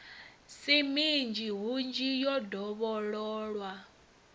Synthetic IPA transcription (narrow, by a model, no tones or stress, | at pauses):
simind͡ʒiɦund͡ʒijɔdʱɔβɔɺɔːɺwa